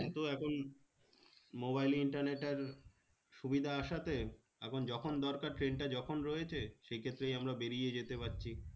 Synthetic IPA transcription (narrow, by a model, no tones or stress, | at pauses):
ɛt̪oɛkʰon | mobajliɳʈaɾneʈːeɾ | ʃubid̪ʱaaʃat̪e | ɛ̰kʰond͡ʑɔkʰond̪ɔɾkaɾʈɾenʈad͡ʑɔkʰonɾɔjet͡ɕʰeʃejkʰet̪ːɾejamɾabeɾijed͡ʑet̪epatːɕʰi